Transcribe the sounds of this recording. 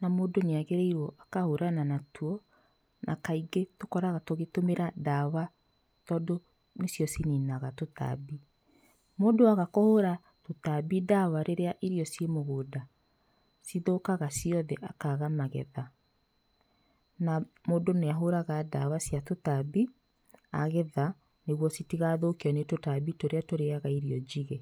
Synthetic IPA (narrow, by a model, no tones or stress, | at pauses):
namoːdoneaɣeɾɛiɾwɔʔakahoɾananatʰuɔ | nʔakaiɡetokɔɾaɣatoɣetomeɾadawa | tɔːdo | nesjɔsininaɣatota̰bi | moːdoaɣakohoɾa | totabidawaɾeɾeaʔiɾiɔsiemoɣoːda | siðokaɣasiɔðɛʔakaɣamaɣɛ̰ða | namoːdoneaɦoɾaɣadawasjatotabi | aɣɛða | neɣwɔsitiɣaðokeɔnetotabitoɾeatoɾeaɣaiɾiɔd͡ʑiɣɛ